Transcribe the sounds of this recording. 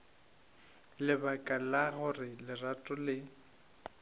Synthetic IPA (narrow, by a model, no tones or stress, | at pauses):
lɪbakʼalaɣʊrɪlɪratʼʊlɪ